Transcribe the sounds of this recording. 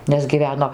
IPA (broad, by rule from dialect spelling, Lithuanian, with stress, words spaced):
nʲɛs ɡʲiːˈʋʲæːnoː